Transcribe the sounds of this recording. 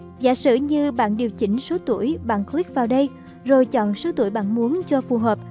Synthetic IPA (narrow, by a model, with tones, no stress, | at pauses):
za̰ː˧˥sɨ̰˧˨ɲɨ˧ɓa̰ː˧˨nɗi˨˩əwt͡ɕï˨˦ŋ̟so˨˦t̪u˧˩əjɓa̰ː˧˨nkli˦˥k̚vaː˨˩wɗə˧j | zo˨˩jt͡ɕɔ̰˧˨nso˨˦t̪ṵ˧˩əjɓa̰ː˧˨nmu˨˦ənt͡ɕɔ˧fu˨˩ɦəː˨˩p̚